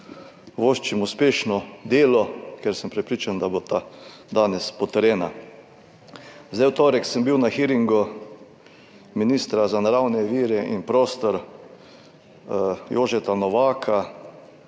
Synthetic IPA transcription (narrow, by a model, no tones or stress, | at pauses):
ʋoːʃt͡ʃimuspeːʃnɔd̪eːlɔkɛɾsəmpɾɛpɾiːt͡ʃand̪abot̪a | d̪aːnɛspɔt̪əɾɛːna | zd̪ajwt̪oːɾɛksəmbiwnaxiɾiŋɡɔ | miniːst̪ɾazanaɾawnɛʋiːɾɛʔḭnpɾoːst̪ɔɾ | joːʒɛt̪anɔʋaːkʰa